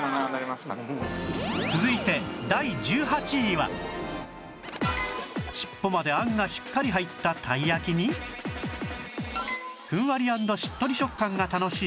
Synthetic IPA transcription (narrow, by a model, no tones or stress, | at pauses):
t͡sɨzɨit̪e̞d̪aid͡ʑɨːɦat͡ɕiβa̰ | ɕi̥pːo̞mad̪e̞ãŋɡaɕi̥kːaɾʲiɦait̪ːat̪ʰaiakʲiɲ̟i | kɯ̟̃ɰ̃βaɾʲiãnd̪o̞ɕi̥t̪ːo̞ɾʲiɕo̞kːãŋɡat̪ano̞ɕiː